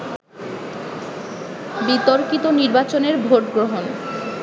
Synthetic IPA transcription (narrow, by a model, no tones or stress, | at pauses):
bit̪oɾkit̪oniɾbat͡ɕoneɾbʱoʈɡɾoɦon